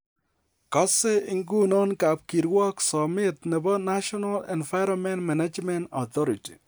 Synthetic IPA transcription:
kɔ˦se˦ɪ˦ŋɡu˦nɔ˦nka˨p̚ki˨ɾwɔ˦ksɔmɪ˦t̪nɛ˨bɔ˦na˦ʃɔnalɛ̰nva˦ɪɾɔmɛ˦ntma˨ne˦d͡ʒmɛ˦ntɔt̪ɔ˦ɾiti̥˨

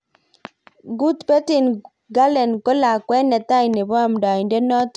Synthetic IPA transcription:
ɡu˦tpɛ˦ti˨n | ɡa˦lɛ˨nkɔ˦la˨kwɛ˦nɛ˨ta˦i˨ne˨bɔ˦a˦˨m˨da˨ɪ˨nde˦nɔ˦t

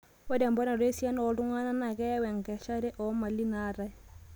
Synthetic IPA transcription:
wa˦da˨mbɔ˦na˨ɾe˦sja˦nɔ˨˦tu˦ŋa˦na˦na˨kɛ˦wɛ˨ŋɡɛ˨ʃa˦ɾɛ˦ʔɔ˨˦ma˨li˦na˦ɾa˦j

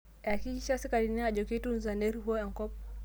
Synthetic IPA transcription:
a˨ki˦i˦ʃasi˦kaɾini˦a˨ʄɔkitunzanɛ˦ɾɦu˦a˦a˨ŋkɔ˦p

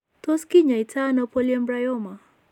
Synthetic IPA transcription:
tɔ˦ski˦ɲa˨i˨tʰa˦nɔ˦pɔ˦liɛ˦mbɾa˦jɔ˦ma˨

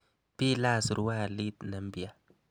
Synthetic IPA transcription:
pi˦la˦˨sɾu˨˦wa˦˨li˦t̪na˨m˦bi˨a˦˨

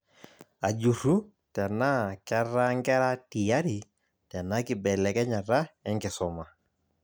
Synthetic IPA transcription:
a˨d͡ʒu˨ɾu˦ | tɛ˨na˦kɛ˦ɾa˦ŋɡɛ˦ɾa˦ti˨ja˦ɾi˨ | tɛ˨na˦kɪ˨bɛ˨lɛ˨kɛ˦ɲa˨ra˦ɛ˦ŋɡɪ˨sɔ˨ma˨

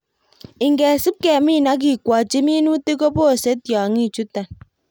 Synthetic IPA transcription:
i˨ŋ˨ɡe˨si˦p̚ke˨a˨mi˦˨na˦k̬i˨kʷɔ˨t͡ʃi˦mi˦nu˦te˦ko˦po˦˨se˦tjɔ˨ŋi˦˨t͡ʃu˦tːa˨n

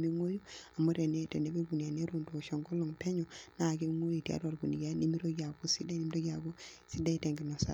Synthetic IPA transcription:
mi˦ŋo˦ju˦a˨mo˦ɾe˨ne˦te˨ne˨˦be˦ɡu˨n˨a˨ne˦ɾu˨ndo˨ʃɔ˨ŋɡo˦lo˨ŋte˦ɲɔ˨na˦˨ɡe˦ŋo˦ji˨ti˨a̰˦ɾa˨ɾɡu˨ni˨ɡa˦ni˦mi˦ɾo˦ɡi˦a˨ɡu˦si˦de˦ni˦m˦ɾo˦ɡa˨ɡu˦si˦da˦te˨ŋɡi˨nɔ˨sa̰˨

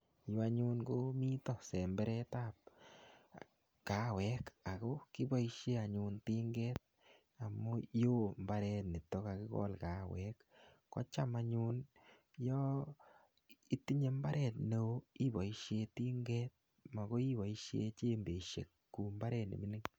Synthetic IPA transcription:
jo˦a˦ɲu˦nɡo˦mi˦tɔ˦˨sɛ˨mbɛ˦ɾɛ˦ta˦p̚ | ka˨wɛ˨ka˨ko˦ki˦bɔ˦iʃe˦a˨ɲu˨nti˦ŋɡɛ˦t̚ | a˨mo˦jo˦mba˦ɾɛ˧tni˨to˦ka˨ki˦kɔ̰˦lka˨wɛkː | ɔ̰˦t͡ʃa˦ma˧ɲu˦n | jɔ˦ | i˦ti˦ɲe˨mba˦ɾɛ˨t̚ne˦i˦bɔ˨i˦ʃje˧ti˦ŋɡɛ˦t̚ | ma˨ko˦i˦ba˨iʃjḛ˦t͡ʃe˦mbe˨ʃḛ˨kːu˨mba˦ɾɛ˦tnḭ˨mi˦ni˦ŋ

